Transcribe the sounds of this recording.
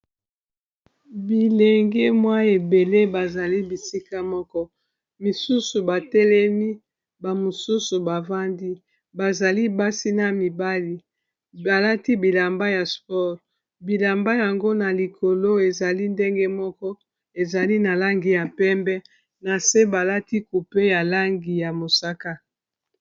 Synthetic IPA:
bi˨le˨ŋɡe˦mwa˦e˨be˨le˦ba˨za˨li˦bi˨si˦ka˦mɔ˦kɔ˦ | mi˨su˦su˨ba˨tɛ˦lɛ˦mi˦ | ba˨mo˨su˦su˨ba˨va˦ndi˦ | ba˨za˨li˦ba˦si˦na˨mi˨ba˦li˦ | ba˨la˦ti˦bi˨la˨mba˦ja˨spɔ˦ʁ | bi˨la˨mba˦ja˨ŋɡo˦na˨li˨kʰo˨lo˦e˨za˨li˦nde˦ŋɡe˦mɔ˦kɔ˦ | e˨za˨li˦na˨la˦ŋɡi˨ja˨pɛ˦mbɛ˦ | na˨se˦ba˨la˦ti˦ku˨pe˦ja˨la˦ŋɡi˨ja˨mo˨sa˦ka˦

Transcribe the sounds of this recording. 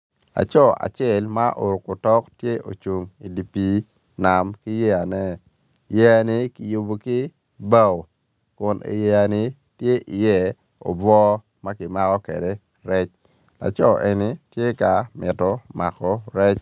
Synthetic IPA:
a̰˨t͡ʃɔ˦a̰˨t͡ʃɛ˦˨lma˦ʔo˨ɾʊ˨ko˨tɔ˦ktje˦ʔo̰˨t͡ʃu˨ŋi˨di˨pi˨ | na˨mki˦je˦a˨nɛ˦˨ | je˦a˨nɪ˦kɪ˨ju˨bo˨kɪ˦ | ba˦˨w | kʊ˨nʔḛ˨je˨a˨nɪ˦ | tje˦ʔi˨jɛ˦ | ɔ̰˨bɔ˦ | ma˦kɪ˨ma˦kɔ˦ke˨de˨ | ɾɛ˦t͡ʃ | la̰˨t͡ʃɔ˦ʔe˨ni˦tje˦ka˨mɪ˨tɔ˨ma˨kɔ˨ɾɛ˦t͡ʃ

